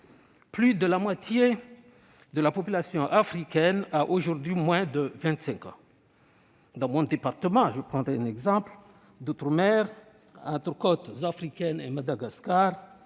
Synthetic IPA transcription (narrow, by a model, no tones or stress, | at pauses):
plyd̪əlamwat̪ʰje | d̪əlapɔpylasjɔ̃ʔafχikʲɛnaʔoʒuʁd̪ɥimwɛ̃d̪əvɛ̃nt̪sɛ̃kɑ̰̃ | d̪ɑ̃mɔ̃d̪epaʁt̪əmɑ̃ʒəpχɑ̃d̪ʁeɛ̃nɛɡzɑ̃pl | d̪ot̪ɾəmɛʁ | ɑ̃t̪ɾəkɔt̪zafʁikʲɛnḛmad̪aɡaskaʁ